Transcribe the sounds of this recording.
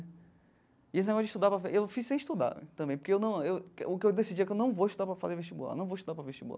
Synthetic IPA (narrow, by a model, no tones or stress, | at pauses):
ies̬ɪneɡɔsjʊd͡ʒiʃt̪ud̪aɾpɾɐveewfisẽj̃iʃt̪ud̪a̰ɾ̰̃t̪ɐ̃bẽj̃poɾkeewnɐ̃w̃ewʊkeewd̪esid͡ʒiɛkewnɐ̃w̃voiʃt̪ud̪apɾɐfazeɾveʃt͡ʃibula̰nɐ̃oiʃt̪ud̪aɾpɾɐveʃt͡ʃibula